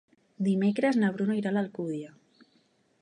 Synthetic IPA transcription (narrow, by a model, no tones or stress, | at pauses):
d̪imekɾeznaβ̞ɾunoiɾalalkuðja